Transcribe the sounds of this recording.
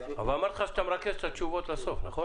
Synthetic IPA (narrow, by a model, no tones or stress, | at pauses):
avalamaɾt̪χaʃt̪amɾakeʃt̪ʰat͡ʃuvo̞t̪laso̞fnaχo